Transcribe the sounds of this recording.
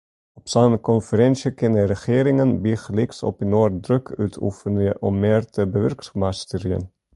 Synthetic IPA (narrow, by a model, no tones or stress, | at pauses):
ɔpsɑnkɔnfəɾɛnsjəkɪnərəχeːɾɪŋənbiχlɪksɔ̰pinoːrdɾøkʰœ̰ːtʰṵfənəʔɔmːeːrtəbəʋœrksmast̪əɾiə̰n